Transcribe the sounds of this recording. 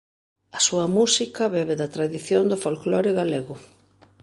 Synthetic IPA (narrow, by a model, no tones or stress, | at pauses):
ɐsuɐmusikɐβɛβeðɐt̪ɾaðiθjond̪ʊfolklɔɾɪɣaleɣʊ